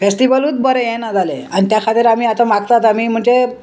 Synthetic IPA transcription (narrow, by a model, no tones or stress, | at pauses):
fesʈiʋəluːt͡s̪bəɾejɛnad͡zaleanit̪jakʰat̪iɾamiːat̪amaɡt̪at̪amiːm̤əɳt͡ɕe